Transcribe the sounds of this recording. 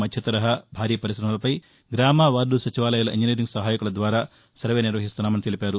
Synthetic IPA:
mɐd̪ʱjɐt̪ɐɾɐɦɐbʱaːɾiːpɐɾisɾɐmɐlɐpɐj | ɡɾaːmaːʋaːɾd̪usɐt͡ʃiʋaːlɐjulɐʔḭnd͡ʒineːɾiŋɡsɐɦaːjɐkulɐd̪ʋaːɾaː | sɐɾʋe̞ːniɾʋɐɦist̪unːaːmɐnit̪elipʲaːɾu

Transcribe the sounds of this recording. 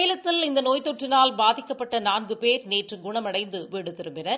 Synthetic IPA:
jlɐt̪ːɪlɪnd̪ɐnoːjt̪ɔʈrɪnaːlbaːðɪkːɐpːɐʈːɐnaːnɡɯpeːɾneːʈrɯɡʊɳɐmɐɽɐɪnd̪ɯʋiːɽɯt̪ɪɾɯmbɪnɐɾ

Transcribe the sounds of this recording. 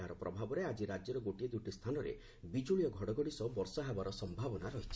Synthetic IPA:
ɦaɾɔpɾɔbʱabɔɾead͡ʒiɾad͡ʒjɔɾɔɡoʈied̪uʈist̪ʰanɔɾḛ | bid͡ʒuɭijɔɡʱɔɽɔɡɔɽisɔbɔɾsɔɦabaɾɔsɔmbʱabɔnaɾɔɦit͡ʃʰi

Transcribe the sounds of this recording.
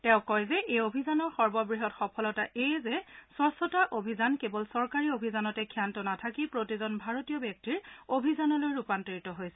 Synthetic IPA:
tɛ̃ʊ̃kɔjzɛʔejobʱizanɔɹxɔɹbɔbɹiɦɔtxɔpʰɔlɔtaʔejzɛswɔsɔtaʔobʱizankebɔlsɔɹkaɹiobʱizanɔtɛkʰjantɔnatʰakipɹotizɔnbʱaɹotiɔbjɛk̚tiɹobʱizanɔlojɹupantiɹitɔɦojsɛ

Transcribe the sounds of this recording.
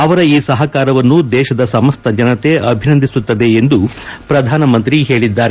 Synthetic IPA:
ɐʋɐɾɐiːsɐɦɐkaːɾɐʋɐnːud̪ɛːʃɐd̪ɐsɐmɐst̪ʰɐd͡ʒɐnɐt̪e̞ʔɐbʱinɐnd̪ʱisut̪ːɐd̪e̞ːnd̪upɾɐd̪ʱaːnɐmɐnt̪ɾiɦe̞ːɭid̪ːaːɾe

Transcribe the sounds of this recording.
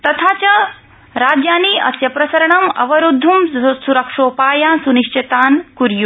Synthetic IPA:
t̪ɐt̪ʰaːt͡ʃɐ | ɾaːd͡ʒjaːniːʔɐ̰sjɐpɾɐsɐɾɐɳɐmɐ̰ʋɐɾud̪ʱːumsuɾɐkʂoːpaːjaːsuniʃt͡ʃɐt̪aːnkuɾju

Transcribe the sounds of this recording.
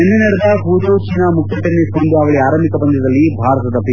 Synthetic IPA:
enːeneɽɐd̪ɐpuːd͡ʒ̪oːt͡ʃinɐmuk̪ːɐʈːɐiskɐnd̪eɐʋɐɭiaːɾɐmikɐpɐɲd͡ʒɐd̪ɐlːibʱaːɾɐt̪ɐd̪ɐpi

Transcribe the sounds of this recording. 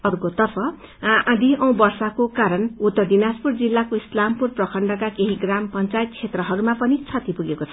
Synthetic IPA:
ʌrkot̪ʌrpʰʌãd̪iʌ̃w̃bʌrsakokaɾʌnut̪ːʌrɖinaspurd͡zilːakoislampurprʌkʰʌɳɖʌkakeɦiɡrampʌnt͡sajt̪̚kʰt͡sʰet̪rʌɦʌɾumapʌnit͡sʰʌt̪ipuɡekot͡sʰʌ

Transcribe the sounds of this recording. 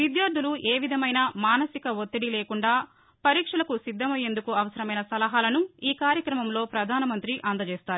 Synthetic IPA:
ʋid̪jaːɾd̪ʱuluʔeːʋid̪ʱɐmɐjnɐmaːnɐsikɐʋot̪ːiɽile̞ːkuɳɖaː | pɐɾiːkʂɐlɐkusid̪ʱːɐmɐjːe̞nd̪ukuɐʋɐsɐɾɐmɐjnɐsɐlɐɦaːlɐnuiːkaːɾjɐkɾɐmɐmlo̞ːpɾɐd̪ʱaːnɐmɐnt̪ɾiʔaːnd̪ɐt͡ʃeːst̪aːɾu

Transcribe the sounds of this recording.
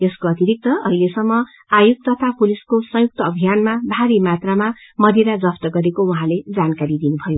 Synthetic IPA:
eskoʌt̪iɾik̚t̪ʌʔʌɦilesʌmːʌ | ajuɡ̚t̪ʌt̪ʰapuliskosʌ̃juk̚t̪ʌːbʱijanmabʱaɾimat̪ramamʌd̪iɾad͡zʌpʰt̪ʌɡʌɾekouɦãled͡zankaɾid̪inubʱʌjo

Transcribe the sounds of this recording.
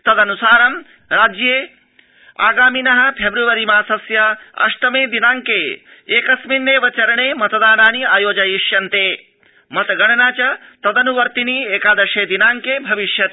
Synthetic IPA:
t̪ɐd̪ɐnusaːɾɐm | ɾaːd͡ʒjeː | a̰ːɡaːminɐɦɐ̆pʰebɾuʋɐɾimaːsɐsjɐɐ̰ʂt̪ɐmeːd̪inaːŋkeː | eːkɐsminːeːʋɐt͡ʃɐɾɐɳeːmɐt̪ɐd̪aːnaːniaːjoːd͡ʒɐjiʂjɐnt̪eː | mɐt̪ɐɡɐɳɐnaːt͡ʃɐt̪ɐd̪ɐnuʋɐɾt̪iniːeːkaːd̪ɐʃeːd̪inaːŋkeːbʱɐʋiʃjɐt̪

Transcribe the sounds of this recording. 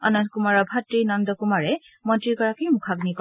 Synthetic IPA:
ɔnɔntkumaɹɔbʱatɹinɔndɔkumaɹɛ | mɔntɹiɡɔɹakejmukʰaɡnikɔ

